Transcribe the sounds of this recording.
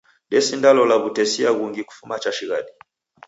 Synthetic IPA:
dɛsindalɔlaβutɛsiaɣuŋɡiku̥fumat͡ʃaʃiɣaɗi

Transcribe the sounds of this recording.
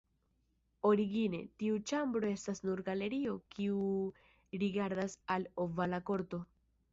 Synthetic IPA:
o̞ɾiɡine̞̰tiut͡ʃambɾo̞e̞stasnuɾɡale̞ɾio̞kiu | ɾiɡaɾdasalovalako̞ɾto̞

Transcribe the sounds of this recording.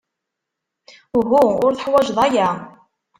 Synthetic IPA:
ɦuʊɾθəħwæʒðˤæjæ

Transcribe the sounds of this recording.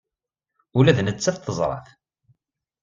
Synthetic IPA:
ulæðnət͡sːæθt̪ːəzˤɾˤɑ̰θ

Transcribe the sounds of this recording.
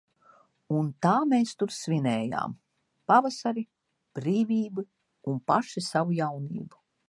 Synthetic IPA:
unt̪aːmeːst̪uɾsvinɛːja̰ːm | pavasaɾi | b̥ɾiːviːbɨ | unpaʃisavujawnḭːbu

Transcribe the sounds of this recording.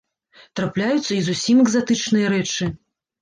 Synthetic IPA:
t̪ɾaplʲajut̪sːɐizusʲimɛɡzat̪ɨt͡ʂnɨjɐɾɛt͡ʂɨ

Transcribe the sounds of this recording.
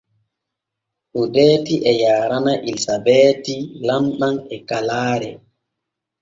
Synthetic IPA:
ʔudɛːtiʔɛjaːɾanaʔilsabɛːtilamɓanɛkalaːɾɛ

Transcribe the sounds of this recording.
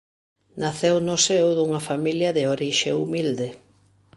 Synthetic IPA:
naθewnʊsewðuŋɐfamiljɐðɪoɾiʃeumild̪e

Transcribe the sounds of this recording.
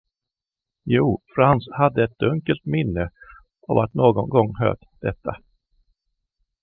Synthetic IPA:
juːfɾanshad̪ːəɛt̪̚d̪ɵŋkəlt̪mɪnːə | ʔavat̪noːɡɔnɡɔŋːɦø̰ːʈ | d̪̥ɛt̪ʰːa

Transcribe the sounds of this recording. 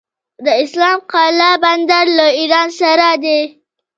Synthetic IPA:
d̪əɪslɑmqɑlaband̪aɾlaiɾɑnsaɾad̪e

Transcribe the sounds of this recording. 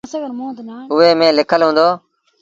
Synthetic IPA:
smõːd̪ʊʋeːmẽːlɪkʰəlɦũːnd̪oː

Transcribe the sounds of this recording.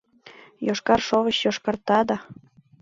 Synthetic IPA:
joʃkɑrʃoʁət͡ɕjoʃkɑrt̪ɑd̪ɑ

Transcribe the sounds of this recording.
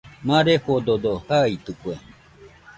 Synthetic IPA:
mãɾehod̪od̪ohait̪ɯkwe

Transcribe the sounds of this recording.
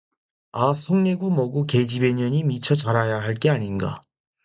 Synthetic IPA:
asʰoŋne̞ɡumʌɡuke̞d͡ʑibe̞ɲʌɲimit͡ɕʰʌt͡ɕaɾajaɦaɭk͈e̞aɲinɡa̰

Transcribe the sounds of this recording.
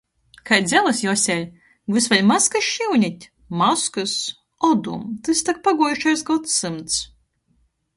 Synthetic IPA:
kajd̪zʲɛlˠɨsjɔsʲɛlʲ | vɨsvalʲmaskɨʃiwnʲit̪ʲ | maskɨs | ɔd̪umt̪ɨst̪ak̚paɡuɔjuʃajsɡɔt̪ːɨmt̪s

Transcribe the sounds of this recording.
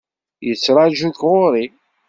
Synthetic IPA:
jət͡sːɾˤaʒukʁʊɾˤi

